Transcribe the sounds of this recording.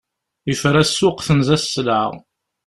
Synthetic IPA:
jəfɾæsːʊqθənzæsːlaʁ

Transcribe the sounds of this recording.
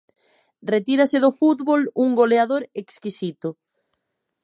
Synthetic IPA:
ret̪iɾaseðʊfut̪βoluŋɡoleaðoɾekskisit̪ʊ

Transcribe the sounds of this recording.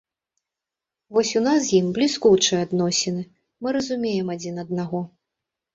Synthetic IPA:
vɔsʲunasjimblʲiskut͡ʂɨad̪nɔsʲɛnɨ | mɨɾɐzumʲejɛmad͡zʲinɐd̪̚naɣɔ

